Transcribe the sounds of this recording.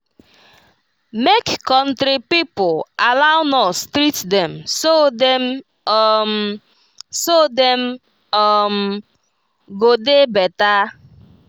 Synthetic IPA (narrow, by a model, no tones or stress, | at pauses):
mekːɔ̃n̩tɾipipʊalaʊnɔstɾitdɛmsodɛm | m | sodɛm | ɔm̩ | ɡodebɛta